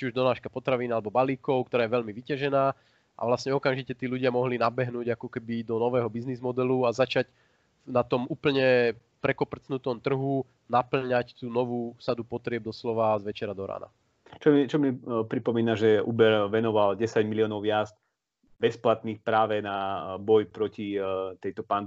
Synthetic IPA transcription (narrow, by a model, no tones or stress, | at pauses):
t͡ʃiuʒd̪ɔnaːʃkapɔt̪ɾaʋiːnalɛbɔbaliːkɔʊk̚t̪ɔɾaːjɛʋɛʎmiʋicaʒɛnaː | ʔa̰ʋlasɲɛɔkamʒicɛt̪iːluɟɪamɔɦlinabɛɦnuːɟakɔkɛbid̪ɔnɔʋɛːɦɔbiznizmɔd̪ɛluazat͡ʃaɟ | nat̪ɔmuːpl̩ɲɛ | pɾɛkɔpr̩t͡snut̪ɔmt̪r̩ɦu | napl̩ɲact̪uːnɔʋuːsad̪upɔt̪ɾɪɛb̚d̪ɔslɔʋazʋɛt͡ʃɛɾad̪ɔɾa̰ːna̰ | t͡ʃɔmit͡ʃɔmipɾipɔmiːnaʒɛṵbɛɾʋɛnɔʋalɟɛsaɟmiliɔːnɔʊjazd̪ | bɛsplat̪niːxpɾaːʋɛnabɔjpɾɔcit̪ɛjt̪ɔpand̪